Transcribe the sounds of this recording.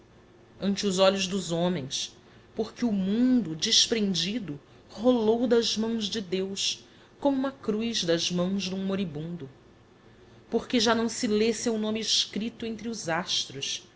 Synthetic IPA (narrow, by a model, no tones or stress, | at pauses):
ɐ̃nt͡ʃɪʊzɔʎʊzd̪ʊzõmẽj̃s | poɾkɪumũnd̪ʊd͡ʒɪʃpɾẽnd͡ʒid̪ʊ | holowd̪ɐzmɐ̃w̃zd͡ʒɪd̪ews | kõmʊũmɐkɾujzd̪ɐzmɐ̃w̃zd̪ũmoɾibũnd̪ʊ | poɾkeʒanɐ̃w̃sɪlesewnõmɪɪʃkɾit̪ʊẽnt̪ɾɪʊzaʃt̪ɾʊs